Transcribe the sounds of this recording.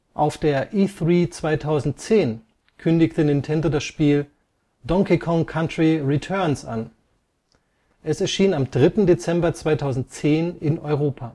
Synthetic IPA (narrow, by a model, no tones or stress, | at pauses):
ʔaʊfd̥eːɐʔiːθʁiːt͡sv̥aɪtʰaʊzn̩tt͡seːn | kʰʏndɪçtənɪntʰɛndoːdasʃpiːl | dɔŋkikʰɔŋkʰantʁ̥iʁitʰœɐnsʔa̰n | ʔɛsɛɐʃiːnamdʁɪtn̩det͡sɛmbɐt͡sv̥aɪtʰaʊzn̩t̚t͡seːnɪnʔɔʏʁ̞oːpʰaː